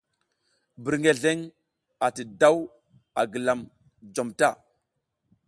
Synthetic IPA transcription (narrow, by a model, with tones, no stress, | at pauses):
bi˨ɾŋe˨ɮe˦ŋ | a˨ti˨da˦w | a˨ɡə˨la˨m | d͡ʒo˨mta˦˨